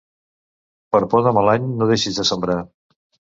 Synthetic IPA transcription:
pəɾpɔðəməlaɲnoðeʃizðəsəmbɾa

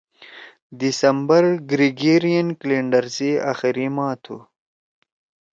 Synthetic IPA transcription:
d̪isɐmbɐɾɡɾiɡeːɾijɐnkleɳɖɐɾzea̰xiɾimɑːt̪ʰṵ

